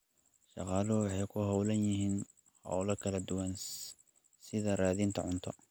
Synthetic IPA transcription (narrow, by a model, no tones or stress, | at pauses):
ʃɑ̰qɑːlɔwɑħɑjkʰʊɦɔwlɐnjɪɦiːn | hɔ̰wlɐkʰɐlɐd̪ʊwɐn | sɪðɐraːðint̪ʰɐʕʊnt̪ʰɔ